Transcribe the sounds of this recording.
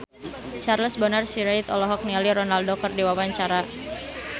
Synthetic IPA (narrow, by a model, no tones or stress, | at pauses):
t͡ʃarləsbənarsiɾait̪ɔlɔɦɔk̚nialiɾɔnaldokərdiwawaɲt͡ʃaɾa